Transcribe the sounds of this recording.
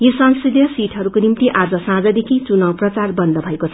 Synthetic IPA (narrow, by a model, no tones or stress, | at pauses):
josʌŋsrid̪ʱjʌsiʈʰɦʌɾukonimt̪iʔad͡zʌsãd͡zʌd̪ekʰit͡sunʌw̃prʌt͡sarbʌnd̪ʌbʱʌekot͡sʰʌ